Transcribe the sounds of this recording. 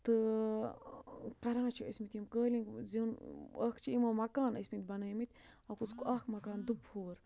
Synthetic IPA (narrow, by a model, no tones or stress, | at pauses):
t̪ɨ | kɐɾãːt͡ʃʰiɐ̰smit̪jimkəːliŋkzinɐːkʰt͡ʃʰiimɐmɐkaːnɐsmit̪̚ʲbɐnəːjmit̪ʲɐkut͡skuɐkʰmɐkaːnd̪ubhoːɾ